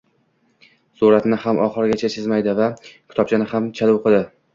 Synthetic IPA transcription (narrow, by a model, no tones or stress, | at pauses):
suɾat̪nɪhamʔɒχɨɾɡʲat͡ʃʰat͡ʃʰɪzmajd̪ɪvakʲʰɪ̥t̪ʰɒp̚t͡ʃʰanɪhamt͡ʃʰalwoqʰɨd̪ɪ